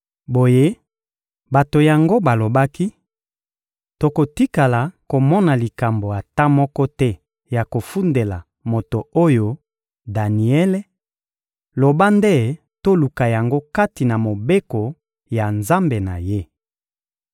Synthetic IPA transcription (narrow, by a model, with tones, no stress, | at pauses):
bo˨je˦ | ba˨to˨ja˨ŋɡo˦ba˨lo˨ba˦ki˦ | to˨ko˨ti˦ka˨la˨ko˨mɔ˦na˨li˨ka˨mbo˨a˨ta˦mɔ˦kɔ˦tɛ˦ | ja˨ko˨fu˦nde˨la̰˨ | mo˨to˨o˦jo˨ | da˨ni˨ɛ˦le˦ | lo˨ba˦nde˦ | to˦lu˨ka˨ja˨ŋɡo˦ka˦ti˨na˨mo˨be˦ko˨ | ja˨nza˦mbe˨na̰˨je˦